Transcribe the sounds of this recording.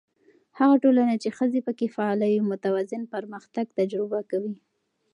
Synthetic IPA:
haɣaʈolanat͡ʃexəzepəkefaɑlajomʊt̪awazɪnpəɾməxt̪aɡ̚t̪ad͡ʒɾɪbakawi

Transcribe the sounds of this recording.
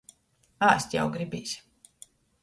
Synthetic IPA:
aːst̪ʲja̰wɡɾibiːsʲ

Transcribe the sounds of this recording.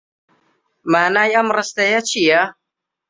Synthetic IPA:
maːnaːjɐmrɨst̪ɐjat͡ʃʰija

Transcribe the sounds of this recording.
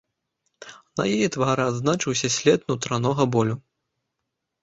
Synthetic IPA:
nɐ̰jɛjɛt̪vaɾɨad̪znat͡ʂɨwsʲɐsʲlʲɛt̪nut̪ɾanɔɣɐbɔlʲu

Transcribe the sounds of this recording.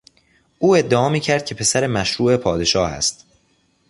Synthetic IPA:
ʔuːe̞d̪ːeɒːmiːcʰæɾd̪̥̚cʰe̞pʰe̞sæɾe̞mæʃɾuːe̞pʰɒːd̪e̞ʃɒːhæ̰st̪

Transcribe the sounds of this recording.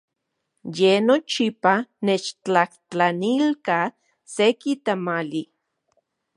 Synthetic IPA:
jenot͡ʃipanet͡ʃt͡ɬaht͡ɬanilka | sekit̪amali

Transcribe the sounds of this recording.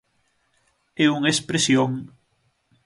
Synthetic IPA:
ɛuŋespɾesjoŋ

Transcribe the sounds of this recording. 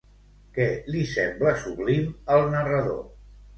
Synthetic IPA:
kɛlisɛmbləsuβliməlˠnərəðo̰

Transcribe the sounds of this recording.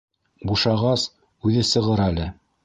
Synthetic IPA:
buʃɑʁɑs | ʉðɘsɤ̆ʁɤɾælɘ

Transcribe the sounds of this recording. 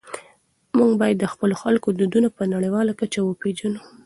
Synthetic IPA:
muŋɡbɑjad̪ːəxpəloxalkod̪ud̪unapənaɽəjwɑlakat͡ʃawəped͡ʒanu

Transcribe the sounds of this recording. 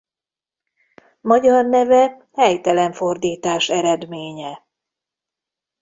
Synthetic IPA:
mɒɟɒrnɛvɛ | hɛjt̪ɛlɛɱfo̞rd̪iːt̪aːʃɛɾɛd̪meːɲɛ

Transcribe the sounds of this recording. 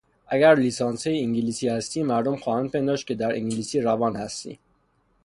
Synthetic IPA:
ʔæɡæɾliːsɑːnsejiŋɟiliːsiːhæst̪iːmæɾd̪omxɒːhænpʰe̞nd̪ɒːʃkʲʰe̞d̪æɾḭŋɟilisiːɾævɒːnhæst̪ḭː

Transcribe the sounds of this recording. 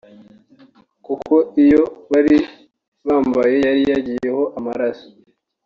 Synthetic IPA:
kukʰo̞ijo̞βaɾi | βaːmbaje̞jaɾijaɟije̞ho̞ʔamaɾaso̥

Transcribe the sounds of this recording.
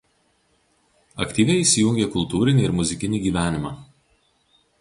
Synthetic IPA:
ɐ̰kt̪ʲiːʋʲɛɪiːˑsʲɪjʊŋʲɡʲekʊlˠt̪uːɾʲɪnʲiːɪɾmʊzʲɪkʲɪnʲiːɡʲiːʋʲæːnʲɪmɑː

